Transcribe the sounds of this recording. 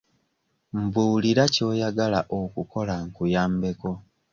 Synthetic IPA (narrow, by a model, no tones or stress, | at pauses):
m̩buːliɾaco̞ːjaɡalaʔokuko̞laŋkujaːmbe̞ko̞